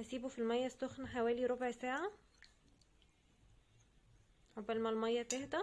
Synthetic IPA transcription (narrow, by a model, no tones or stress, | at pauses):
æsiːbufilmæjːæstːoxnħawæːliɾˤobʕsæːʕa | ɾobɪlmælmɑjːæt̪ehd̪æ